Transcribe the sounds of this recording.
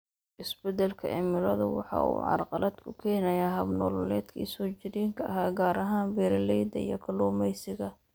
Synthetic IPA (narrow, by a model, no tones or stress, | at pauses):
ʔɪsbɛd̪ɛlkʰɐɛ̰mɪlɐðɐ̰wɑ̰ħɑ̰ṵːʕɑ̰rqɑlɐd̪kʰʊkʰɛːnɐjaːɦɐbnɔːlɔlɛːd̪kʰḭsɔːt͡ʃɪɾiːŋkʰɐɐɦaːɡaːɾɐɦaːnbɛːɾɐlɛjd̪ɐ̰ḭjɔkʰɐluːmɛjsɪɣɐ